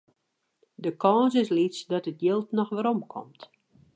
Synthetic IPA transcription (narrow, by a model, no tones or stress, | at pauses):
dəkʰɔːsɪslisdɔtət̚jɪlˠtnɔxʋəɾɔmkʰɔ̰mt